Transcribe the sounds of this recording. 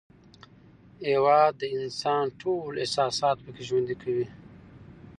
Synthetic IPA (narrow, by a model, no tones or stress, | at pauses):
hewɑd̪ːəɪnsɑnʈʰolehsɑsɑːt̪pəkeʒwand̪ikʰawi